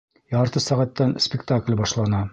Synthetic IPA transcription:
jɑɾt̪ɤsæʁæt̪ːænspʲɪkt̪aklʲbɑʃlˠɑnɑ

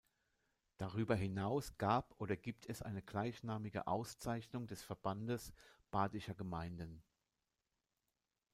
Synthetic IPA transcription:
d̥aʁyːbɐɦɪnaʊsɡ̥aːpʔoːɾɐɡiːp̚tʰɛsʔa̰ɪnəɡlaɪçnaːmɪɡə̰ʔaʊst͡saɪçnʊŋdɛsfɛɐb̥andəsb̥aːdɪʃɐɡəmaɪndən

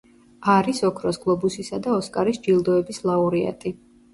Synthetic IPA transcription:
aɾisɔkʰɾɔsɡlˠɔbusisad̪aɔskʼaɾisd͡ʒilˠd̪ɔɛbislˠauɾia̰t̪ʼi

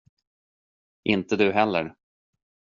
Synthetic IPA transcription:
ʔɪnt̪əd̪ɵɦɛlːəɾ

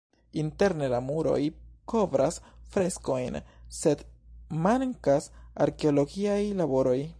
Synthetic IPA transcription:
inte̞ɾne̞lamuɾo̞̰jkʰo̞vɾasfɾe̞sko̞jnse̞dmaŋkasaɾke̞o̞lo̞ɡiajlabo̞ɾo̞j

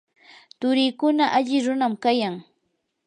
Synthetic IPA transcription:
t̪ʊɾɪkʊnaʔaʎɪɾʊnamkajaŋ

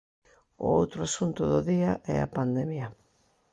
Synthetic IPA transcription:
ʊ̰owt̪ɾʊasunt̪ʊðʊðiɐʔɛ̰a̰pand̪emjɐ

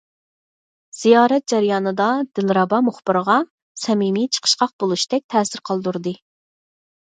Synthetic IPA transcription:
z̥ijɑːɾɛt̪̚d͡ʒɛɾjɑːnɨd̪ɑd̪̥ɪlɾɑbɑmʊχb̥ɨɾʁɑ | sɛmimit͡ʃʰə̥qʰə̥ʃqɑq̚bolˠuʃd̪ɛk̚ʲt̪ʰɛːsɪɾqʰɑlˠd̪uɾd̪ɨ

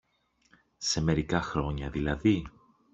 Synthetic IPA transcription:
se̞me̞ɾikɐxɾo̞ɲɐðilɐði

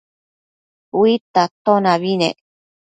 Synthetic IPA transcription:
wit̪at̪onaβinḛ

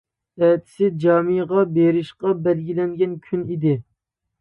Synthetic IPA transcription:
ɛt̪ʰɪ̥sɪd͡ʒɑːmɨjʁɑbeɾɪʃqɑbɛlɡʲilɛŋɡʲɛnkʲʰynid̪ɪ

